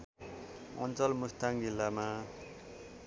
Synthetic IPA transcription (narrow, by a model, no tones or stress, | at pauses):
ʔɔ̰nt͡sʌlmust̪aŋkilama